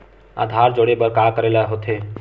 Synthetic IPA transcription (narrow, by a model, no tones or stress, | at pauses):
a̰ːd̪ʱaːɾd͡ʒoɽebəɾkaːkəɾeːlaɦot̪ʰeː